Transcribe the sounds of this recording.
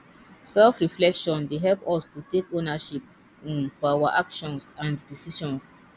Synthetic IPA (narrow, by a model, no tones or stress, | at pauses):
sɛlfɹiflɛkʃɔ̃ndeɦɛlpɔstutekonaʃip̚ | nfɔawaʔakʃɔ̃nsãndisiʃɔ̃ns